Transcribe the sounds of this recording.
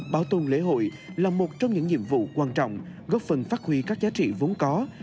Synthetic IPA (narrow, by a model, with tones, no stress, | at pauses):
ɓaː˨˦wt̪o˧˩nlḛ˧˥ɦo̰˧˨j | laː˨˩mo˨˩t̚t͡ɕɔ˧wŋ͡mɲɨ̰˧˥ŋɲḭ˧˨əmvṵ˧˨kwaː˧nt͡ɕɔ̰˧˨wŋ͡mɣɔ˦˥p̚fə˨˩nfaː˦˥t̚hwi˧kaː˦˥k̚zaː˨˦t͡ɕḭ˧˨vo˨˦nkɔ˨˦